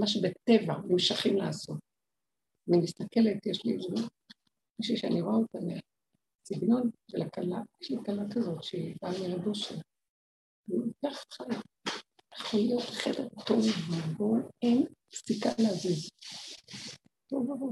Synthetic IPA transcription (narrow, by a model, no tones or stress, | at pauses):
maʃ̬ebetevanimʃaχimlaːso̞t̚ | animist̪ake̞letjeʃliz | miʃuʃea̰niʁoaotanea | siɡno̞nʃelakalajeʃlikalakazo̞tʃeibamiʁadoʃe | kaχχal | jeχolijo̞tχedeʁtovvaboen | sikaleaziz | tovavo